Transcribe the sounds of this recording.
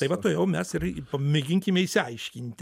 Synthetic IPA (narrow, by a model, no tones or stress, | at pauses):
ɐɪʋɐt̪oːjɛʊmʲɛsɪrpɐmʲɪɡʲɪŋʲkʲɪmʲɛisʲɪɐɪʃʲkʲɪnʲt̪ʲ